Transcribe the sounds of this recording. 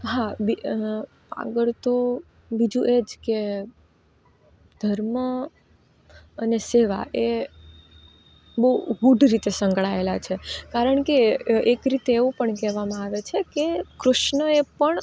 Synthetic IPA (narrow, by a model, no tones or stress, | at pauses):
ɦabi | a̰ɡəɭt̪o | bid͡ʒũʔed͡ʒke | d̪ʱəɾmə | əneseʋa̰ʔe | bəɡuɖɾit̪esə̃ŋɡɭaelat͡ʃʰekaɾəɳkeekɾit̪eːʋũpəɳkɛɦʋamãaʋet͡ʃʰekekɾʊʃɳəepəɳ